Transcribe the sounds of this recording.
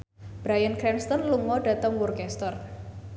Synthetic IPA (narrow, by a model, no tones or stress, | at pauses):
b̥ɾajənkɾɛnst̪ɔnluŋɔɖ̥ä̤t̪əŋwurkɛst̪ɔr